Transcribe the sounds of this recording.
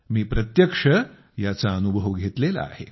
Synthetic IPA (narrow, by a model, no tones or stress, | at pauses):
miːpɾət̪jəkʂə | jat͡saənubʱəʋɡʱet̪lela̰a̰he